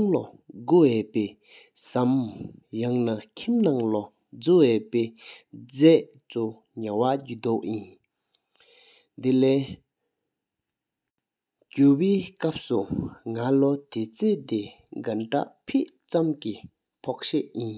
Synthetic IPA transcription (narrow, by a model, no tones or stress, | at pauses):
ŋloɡuweːʔpɛː | samjaŋnakʰimnaŋlɔ | d͡zuweʔpeːd͡zɛʔ | t͡su | ɲawaɟud̪oʔjin | d̪elɛː | cuweːkap̚suŋalot̪et͡seːʔt̪e | ɡanʈ͡ʂa̰ʔpʰeʔt͡samki | pʰɔk̚ɕɛʔjin